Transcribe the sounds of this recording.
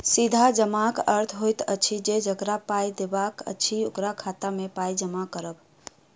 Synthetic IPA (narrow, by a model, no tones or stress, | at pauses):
sid̪ʱad͡ʒəmakəɾt̪ʰɦojt̪ə̰t͡ʃʰid͡ʒed͡ʒəɡɾapajd̪ebakə̰t͡ʃʰiokɾakʰat̪amepajd͡ʒəmakəɾəb